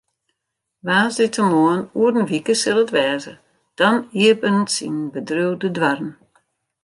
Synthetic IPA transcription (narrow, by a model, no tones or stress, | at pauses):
ʋaːzdɪtʰəmoənuədən̩ʋikəsɪlˠətʋɛːzə̰ | d̥ɔniəpənsḭnbədrødədʋarn